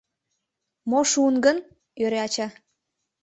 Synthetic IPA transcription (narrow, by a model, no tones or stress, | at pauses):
moʃunɡən | øɾeɑt͡ɕɑ